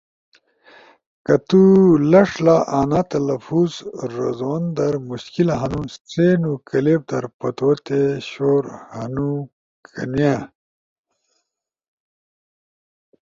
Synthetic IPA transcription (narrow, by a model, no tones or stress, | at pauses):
kɐt̪ulɐʂlaʔaːnat̪ɐlɐfuːzɾɐzond̪ɐɾmuɕkilaɦɐnũst͡seːnukɐleːb̚d̪ɐɾpɐt̪oot̪eɕoːɾhɐnu | kʰɐnija